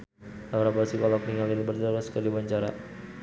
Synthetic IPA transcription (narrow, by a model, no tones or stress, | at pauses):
laɾabasikɔlɔk̚niŋalɪlbərt̪əɾʊskədibaɲt͡ʃaɾa̰